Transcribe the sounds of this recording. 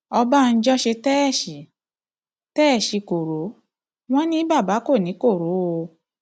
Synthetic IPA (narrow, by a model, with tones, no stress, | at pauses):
ɔ˧ba˦˧n̩˦d͡ʒɔ˦ʃe˧tɛ˦˨ʃi˨˦ | tɛ˦˨ʃi˨˧ko˨ɾo˨˦ | w̃ɔ̃˦nĩ˦ba˦˨ba˨˦ko˦˨nĩ˨˦ko˦˨ɾo˨˦o˧